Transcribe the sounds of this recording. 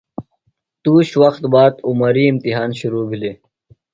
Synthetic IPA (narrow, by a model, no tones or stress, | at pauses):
t̪uːɕwɐxt̪baːd̪umɐɾiːimt̪iɦaːnɕuɾuːbʱileː